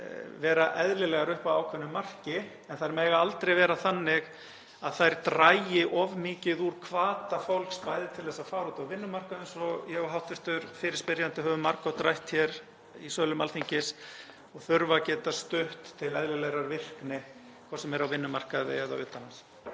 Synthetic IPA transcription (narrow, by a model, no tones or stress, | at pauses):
vɛːɾaʔɛðlɪlɛɣaɾʏhpawawkʰvɛnʏmar̥cɪ | ɛnθaɾmɛːɣaalt̪ɾejvɛːɾaθanːɪɣ | aðθajɾ̥t̪ɾajjɪʔɔvmɪːcɪðuɾ̥kʰvaːt̪afowlkspaːjðɪt̪ʰɪlθɛsːafaːɾuːt̪awvɪnːʏmar̥kaðɪnsɔjɛɣɔɦawht̪ɪst̪ʏɾfɪɾɪ̥spɪɾjant̪ɪɦœːvʏmaɾkɔwt̪ɾajht̪çjɛɾ | isœːlʏmalθiɲcɪs | ɔɣθʏɾvacɛːt̪ast̪ʏht̪ʰːɪlɛðlɪlɛɾaɾvɪr̥knɪ | kʰvɔsɛmɛɾawvɪnːʏmar̥kaððɪ̰ɛða̰wʏːt̪anhans